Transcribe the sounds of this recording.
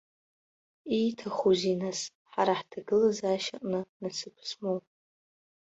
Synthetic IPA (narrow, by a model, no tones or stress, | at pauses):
ijtʰaχuzinas | ħaɾaħtʰaɡɨlazaʃaqʼnɨnasɨpʰsmowpʼ